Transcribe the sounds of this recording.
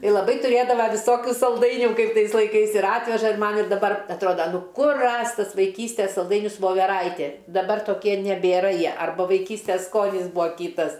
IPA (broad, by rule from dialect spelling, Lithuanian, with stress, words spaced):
ɪ lˠɐˈbɐɪ tʊˈrʲeːdɐʋɐ ʋʲɪˈsoːkʲʊ sɐlˠˈdɐɪnʲuː ˈkɐɪp ˈtɐɪs lˠɐɪˈkɐɪs ɪr ˈɑːtʲʋʲɛʒɐ ɪr ˈmɐn ɪr dɐˈbɐr ɐtˈroːdɐ ˈnʊ ˈkʊr ˈrɐsʲtʲ ˈtɐs ʋɐɪˈkʲiːsʲtʲeːs sɐlˠˈdɐɪnʲʊs ʋoːʋʲɛˈrɐɪtʲeː dɐˈbɐr toːˈkʲiɛ nʲɛbʲeːˈrɐ ˈjiɛ ɐrˈbʊ ʋɐɪˈkʲiːsʲtʲɛs ˈskoːnʲɪs ˈbuːɐ ˈkʲiːtɐs